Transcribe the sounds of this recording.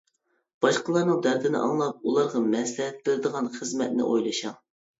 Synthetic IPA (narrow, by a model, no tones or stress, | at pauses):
b̥ɑʃqəlˠɑɾnɨŋd̪æɾd̪ɪnɪ̰ʔɑ̰ŋlˠɑp̚ulˠɑɾʁɑmɛslɪɦɛt̪̚beɾɪd̪əʁɑnχəzmɛt̪̚nɪ̰ʔojlˠɨʃɑŋ